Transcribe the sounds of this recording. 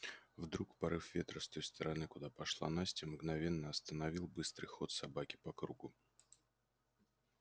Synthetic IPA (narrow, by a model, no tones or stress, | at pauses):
vd̪ɾukpɐɾɨfvʲe̞t̪ɾəst̪ojst̪əɾɐnɨkʊd̪apɐʂlˠa̰nasʲtʲɪmɡnɐvʲe̞nːəɐst̪ənɐvʲilˠbɨst̪ɾɨ̰jxo̞t̪sɐbakʲɪ̥pɐkɾuɡʊ